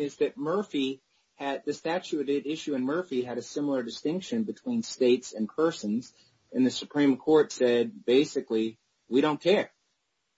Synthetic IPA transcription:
ɪzðɨt̚mɜ˞fi | ɨd̪̚ðɨstæt͡ʃʉɾɪɾɪʃʉɨ̃nmɜ˞fiɨɾɨsɪ̃ml̩ˠə˞dɨstɪ̃ŋkʃɨ̃nbɨtʰw̥ĩnsteɪtsɨ̃npʰɜ˞sɨ̃nz | ɨ̃nðɨsɨpʰɹ̥ĩmkʰɔɹtsɛd̚beɪsɨkli | wiɾõʊ̃nkʰɛɹ

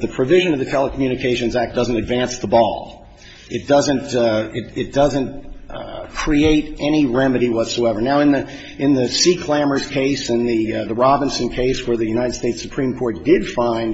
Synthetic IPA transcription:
ðɨpʰɹ̥ɨvɪʒɨ̃nʌvðɨtʰɛlˠəkʰmjʉñɨkʰeɪʃɨ̃nzæk̚d̥ʌzɨ̃ntɨdvæ̃nsðəbɔ̰lˠ | ɨt̚d̥ʌzɨ̃ntɪɾɪt̚d̥ʌzɨ̃n | kʰɹ̥ieɪɾʔɛñiɹɛmɨɾiwʌtsoʊɛvə˞naʊɨ̃nðɨ | ɨ̃nðɨsikʰl̥æmə˞z̥kʰeɪsɨ̃nðɨðəɹɑbɨ̃nsɨ̃nkʰeɪswə˞ðɨjʉnaɪɾɨd̥steɪtsɨ̥pʰɹ̥ĩmkʰɔɹt̚d̥ɪd̥fãɪ̃nd

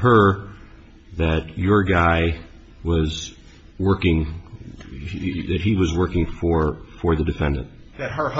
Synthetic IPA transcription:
ɦə˞ | ðɨt͡ʃə˞ɡaɪ | wʌz | wɜ˞kɪ̃ŋ | ðɨt̚hiwʌzwɜ˞kɪ̃ŋfə˞fə˞ðɨdɨfɛ̃ndɨ̰̃nt̚ | ðɨt̚hə˞

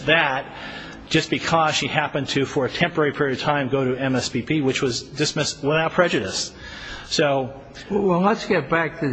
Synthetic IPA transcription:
ðɨt̚ | d̥ʒ̥ʌsb̥ɨkʰʌz̥ʃihæpɨ̃ntʰɨfə˞ɨtʰɛ̃mpə˞ɛɹipʰɪɹiɨd̚tʰãɪ̃mɡoʊɾɨɛ̃mɛsbipʰiwɨt͡ʃwʌzdɨsmɪstwəθaʊt̚pʰɹ̥ɛd͡ʒɨɾɨsː | oʊ | wəəsɡ̥ɛt̚b̥æk̚tʰɨ

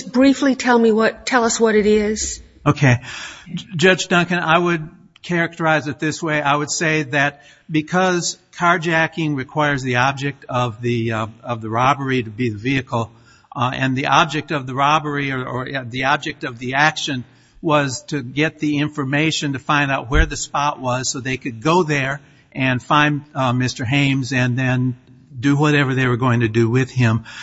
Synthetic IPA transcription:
b̥ɹiflitʰɛlˠmiwʌtʰɛlˠʌswʌɾɨɾɪz̥ | oʊkʰeɪ | d͡ʒʌd͡ʒdʌ̃ŋkɨ̃na̰ɪwɨd̚ | kʰɛɹɨk̚tə˞aɪzɨt̪̚ðɪsweɪʔaɪwɨd̥seɪðɨt̚ | b̥ɨkʰʌz̥kʰɑɹd͡ʒækɪ̃ŋɹɨkʰw̥aɪə˞zðiɑb̚d͡ʒɨk̚tʌvðiʌvðəɹɑbə˞iɾɨbiðɨviɨkl̩ˠ | ɨ̃nðiʔɑb̚d͡ʒɨk̚tʌvðɨɹɑbə˞iə˞ə˞ðiɑb̚d͡ʒɨk̚tʌvðiækʃɨ̃n | wʌz̥tʰɨɡɛt̪̚ðiɪ̃ɱfə˞meɪʃɨ̃ntɨfãɪ̃ndaʊt̚wə˞ðɨspɑʔwʌz̥soʊðeɪkʰɨd̚ɡoʊðə˞ | ʔɨ̃nfãɪ̃nmɪstə˞ɦẽɪ̃mzɨ̃nðɨ̃n | dɨwʌɾɛvə˞ðeɪwə˞ɡoʊɪ̃ŋtʰɨdɨwɪð̥ɪ̃m

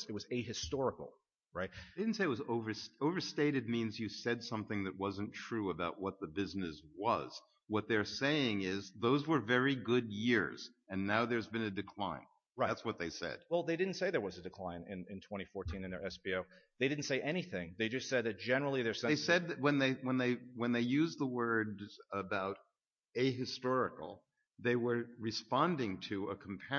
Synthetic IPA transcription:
ɨt̚wʌzeɨstɔɹəkl̩ˠ | ɹaɪt̚eɪdɪdⁿn̩tseɪt̚wʌzoʊvə˞soʊvə˞steɪɾɨd̚mĩnzjɨsɛdsʌ̃mθɪ̃ŋðɨt̚wʌzɨ̃ntʰɹ̥ʉəbaʊt̚wʌt̪̚ðɨbɪznɨswʌz̥ | wʌt̪̚ðə˞seɪɪ̃ŋɪzðoʊzwə˞vɛɹiɡʊd̚jɪɹz̥ | ɨ̃nːaʊðə˞zbɨ̃nɨdɨkʰl̥ã̰ɪ̃n | aɪætswʌt̪̚ðeɪsɛ̰d̥̚wɛlˠðeɪdɪdⁿn̩tseɪðə˞wʌzɨdɨkʰl̥ãɪ̃nɪ̃nɪ̃ntʰw̥ɛ̃ɾ̃ifɔɹtʰĩnɨ̃nðə̰˞ɛsb̥ioʊðeɪɾɪdⁿn̩tseɪʔɛñiθɪ̃ŋðeɪd͡ʒʌstsɛd̪̚ðɨt̚d̥ʒ̥ɛnə˞l̩ˠiðə˞sɛeɪsɛd̪̚ðɨt̚wə̃nðeɪwə̃nðeɪwə̃nðeɪjʉzðəwɜ˞dəbaʊɾ | eɪɦɨstɔɹɨkl̩ˠ | ðeɪwə˞ɹɨspɑ̃ndɪ̃ŋtʰɨəkʰm̩pʰɛ

